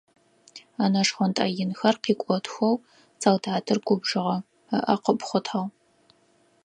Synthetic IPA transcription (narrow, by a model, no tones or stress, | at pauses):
aːnɐʂχʷɔntʼɐjɪnxɐrqiːkʷʼɔtʰxʷɔw | t͡sʼɐwdaːdʰɨrɡʷʊbʐɨʁɐ | ə̰ʔɐqəpʼχʷʊtʰħaʁ